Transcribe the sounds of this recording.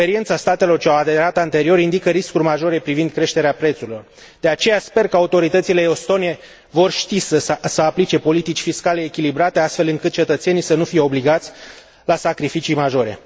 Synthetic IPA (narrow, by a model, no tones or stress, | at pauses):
eɾient̪sast̪at̪e̞lo̞rt͡ʃeawad̪e̞ɾat̪ant̪e̞ɾio̞ɾind̪ikəɾiskurʲmaʒo̞ɾe̞pɾivind̪̚kɾe̞ʃt̪e̞ɾeapɾet̪suɾilo̞r | d̪̥e̞at͡ʃe̞jaspe̞rkəaut̪o̞ɾit̪ət̪sileo̞st̪o̞nie̞ | vo̞rʃt̪isəsəaplit͡ʃe̞po̞lit̪it͡ʃʲfiskale̞ːkʲilibɾat̪e̞ast̪fe̞lɨŋkɨt̪̚t͡ʃe̞t̪ət̪se̞nijsənufije̞obliɡat̪sʲ | lasakɾifit͡ʃijmaʒo̞ɾe̞̰